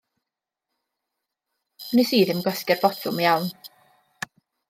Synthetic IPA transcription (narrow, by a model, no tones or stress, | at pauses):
mənisiːðɪmɡɔskɛrbɔtʰʊmijawn